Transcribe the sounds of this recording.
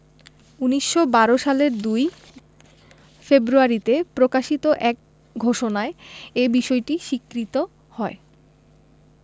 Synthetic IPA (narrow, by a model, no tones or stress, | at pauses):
uniʃːobaɾoʃaleɾd̪uj | febɾuaɾit̪epɾokaʃit̪oʔɛk̚ | ɡʱoʃonaeebiʃɔeʈiʃikːɾit̪o | hɔe